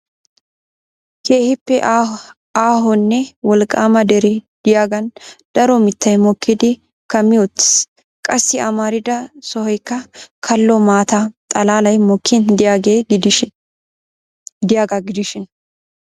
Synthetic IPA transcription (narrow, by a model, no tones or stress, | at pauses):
keːhɪpːɛ | aːɦɔnːɛwɔlkʼːaːmɐd̪ɛɾɛd̪̥ɪjaːɡɐnd̪̥ɐɾɔmɪt̪ːɐjmɔkːɪd̪ɪ | kɐmːɪɔt̪ːɪ̥s | kʼɐsːɪɐmaːɾɪd̪ɐsɔhɔjkːɐkʰɐlːɔmaːt̪ɐt̪ʼɐlaːlɐjmɔkʰːɪnd̪ɪaːɡeː | d̪ɪjaːɡɐɡɪd̪ɪʃɪn